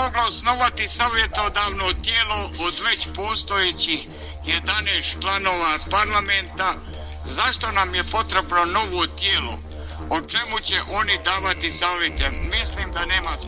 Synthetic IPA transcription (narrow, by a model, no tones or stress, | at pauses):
oɡlaosno̞ʋat̪isaːʋje̞t̪od̪aːʋnot̪jeːlood̪ʋe̞t͡ɕpoːst̪o̞jet͡ɕix | jed̪aneːst̪t͡ʃlano̞ːʋapaɾlˠament̪a | zaʃt̪o̞namjepo̞t̪ɾebno̞no̞ʋot̪jeːlo̰ | ot͡ʃe̞mut͡ɕeʔo̞nid̪aːʋat̪isaːʋjet̪emisliːmd̪ane̞ːmas